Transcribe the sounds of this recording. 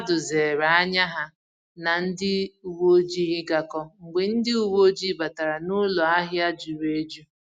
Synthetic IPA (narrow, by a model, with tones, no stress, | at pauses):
a˦dʊ˨ze˨ɾa˨a˦ɲa˦ɦa˦ | na˨n̩˦dɪ˦u˨wo˦d͡ʒi˦ɦɪ˦ɡa˨kɔ˦ŋ͡m̩˨ɡ͡be˨n̩˦dɪ˦u˨wo˦d͡ʒi˦ba˨ta˨ɾa˨nʊ˦lɔ˨a˦ɦja˦d͡ʒu˨ɾe˦d͡ʒu˦